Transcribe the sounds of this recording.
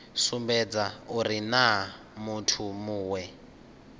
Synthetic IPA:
sumbɛd͡zauɾina | mutʰumuːwɛ

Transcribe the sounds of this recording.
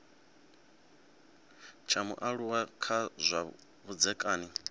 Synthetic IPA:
t͡ʃʰamṵʔaɺuwakʰazʷa | βud͡zɛkʼaːni

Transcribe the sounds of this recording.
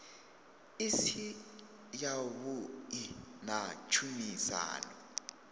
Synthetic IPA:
isi | jaβuinat͡ʃʰumisa̰ːnɔ

